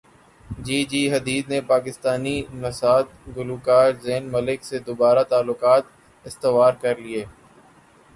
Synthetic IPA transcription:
d͡ʒiːd͡ʒiːɦɐd̪iːd̪nepaːkɪst̪aːninɐsaːt̪̚ɡʊluːkaːɾzeːnmɐlɪksed̪obaːɾat̪aːlːʊkaːt̪ | ɪst̪ɪʋaːɾkɐɾlieː

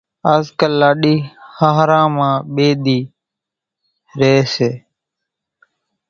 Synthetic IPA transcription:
aːzkəlːaːɗiːhaːɦɾãːmãːɓeːɗ̪iː | ɾeːseː

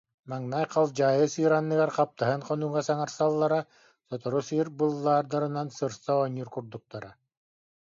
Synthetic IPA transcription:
maŋnajqalˠd͡ʑaːjɯsɯːɾanːɯɡaɾqap̚t̪aɦɯnqɔnuŋasaŋaɾsalˠːaɾa | sɔt̪ɔɾusɯːɾbɯlˠːaːɾd̪aɾɯnansɯɾsaɔniɾkuɾd̪uk̚t̪aɾa

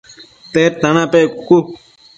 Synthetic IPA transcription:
t̪eːɾt̪ɐnapekku

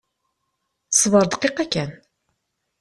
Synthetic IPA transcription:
sˤvəɾˤd̪əqːeqækːæn

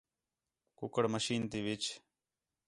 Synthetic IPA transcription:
kʊkəɽməʃiːnt̪iːʋɪt͡ʃ

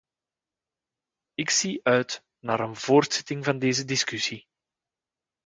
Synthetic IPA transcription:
ɪksiœɥt | naːɾənv̥oːrtsɛ̥tɪŋvɑndeːzədɪskysi

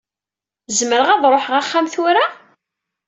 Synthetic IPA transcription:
zməɾəʁæðˤɾˤoħʁaχːamθʊɾa

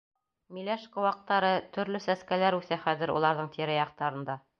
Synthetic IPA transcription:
milæʃkŏwɑq̚t̪ɑɾɤt̪ɵ̆ɾlɵsæskælæɾʉθæχæðɘ̆ɾṵlˠɑɾðɤɴt̪ʰiɾæjɑq̚t̪ɑɾɤ̆nd̪ɑ

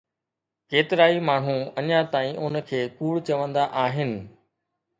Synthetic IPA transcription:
keːt̪ɪɾaːimaːɳ̤ũɐɲãt̪aːĩʔʊnəkʰeːkuːɽt͡ɕɐʋə̃nd̪aʔaːɦɪnɪ̆

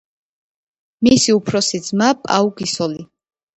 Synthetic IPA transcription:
misiupʰɾɔsid̪zmapʼa̰uɡisɔli

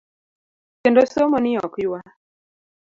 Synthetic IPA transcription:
kendosomonɪɔkjwa

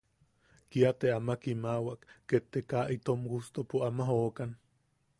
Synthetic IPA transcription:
kiat̪eamakimawaʔkːet̪ːekaʔit̪omɡust̪opuamaɦoːkan

